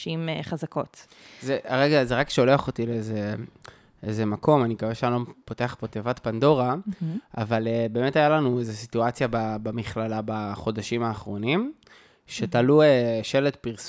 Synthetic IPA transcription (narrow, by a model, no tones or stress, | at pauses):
imχazako̞t | zeaʁeɡazeʁakʃeo̞leaχo̞tileeze | eze̞mako̞manikaveʃeanlopo̞te̞aχbo̞tevatpando̞ʁaʔa̰valebe̞ːme̞tajalanuezesituat͡sjababamiχlalabaχo̞daʃimaːχʁo̞nim | ʃe̞talueʃe̞letpiʁs